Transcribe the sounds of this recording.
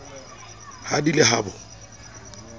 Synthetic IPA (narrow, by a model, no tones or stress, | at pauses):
hadilɪɦaːbʊ